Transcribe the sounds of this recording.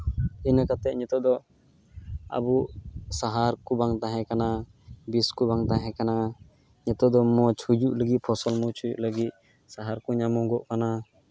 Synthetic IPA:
inəkat̪ɛʔ̚ɲɔt̪ɔd̪ɔ | a̰busaɦaɾkubaŋt̪ãɦɛ̃kana | biskubaŋt̪ãɦɛ̃kana | ɲɔt̪ɔʔd̪ɔmɔ̃t͡ʃʰud͡ʒuʔləɡit̪̚pʰɔsɔlmɔt͡ʃʰujṵʔləɡit̪̚ | saɦaɾkuɲamɔ̃ɡɔʔkana

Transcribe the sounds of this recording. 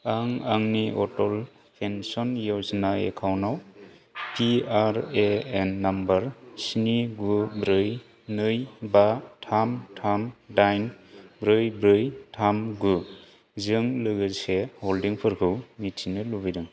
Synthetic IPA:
aŋaŋniɔtɔl | pʰensɔnjɔsnaḛkʰawnawpiaɾeenːambaɾsiniɡubɾɯj | nɯjbatʰamtʰamdajnbɾɯjbɾɯjtʰamɡu | zɯŋlɯɡɯseholdiŋpʰɯɾkʰɯwmitʰinɯlubidɯŋ

